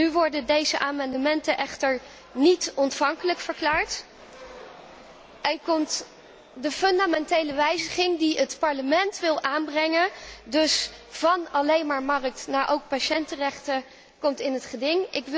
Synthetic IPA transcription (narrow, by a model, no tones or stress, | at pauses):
nyʋɔɹdədejzəʔaːmɑndəmɛntəʔɛχtəɹ | nitɔntfɑŋkələkfəɹklaːɹt | ʔɛnkɔmt | dəfɵndamɛntejləʋɛjzəχɪŋdiətpɑɹləmɛntʋɪlˠʔaːnbrɛŋəndɵsv̥ɑnɑlejnmaːɹmɑrək̚tnaːɹʔowk̚paʃɛntərɛχtə | kɔmtɪnətχədɪŋɪk